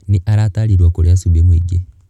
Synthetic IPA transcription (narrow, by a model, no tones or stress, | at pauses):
niʔaɾataɾiɾwakoɾjasuβjemwiɡe